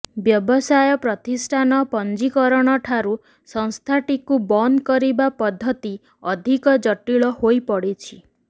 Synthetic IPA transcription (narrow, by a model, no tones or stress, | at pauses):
bjɔbɔsajɔpɾɔt̪isʈʰanɔpɔnd͡ʒikɔɾɔɽ̃ɔʈʰaɾu | sɔŋst̪ʰaʈikubɔnkɔɾibapɔd̪ʱːɔt̪i | ɔd̪ʱikɔd͡ʒɔʈiɭɔhojpɔɽit͡ʃʰi